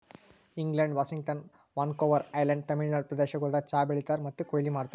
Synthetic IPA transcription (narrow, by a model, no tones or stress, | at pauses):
iŋɡlɐɳɖʋaːʃiŋɡ̚ʈɐn | ʋaːnkoːʋɐɾɐjlɐɳɖ̚t̪ɐmiɭnɐɭpɾɐd̪ɛːʃɐɡɐɭd̪ɐt͡ʃaːbeɭit̪aːɾmɐt̪ːukoːjlimaːɽt̪a